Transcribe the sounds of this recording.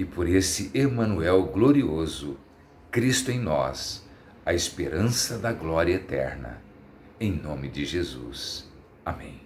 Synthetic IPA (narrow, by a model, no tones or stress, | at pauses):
ɪpoɾesɪʔemɐ̃nuɛwɡloɾiozʊ | kɾist̪ʊẽj̃nɔ̰s | ɐespeɾɐ̃sɐd̪ɐɡlɔɾiɐet̪ɛ̰ɾnɐ̰ | ẽj̃nõmɪd͡ʒɪʒezṵs | amẽj̃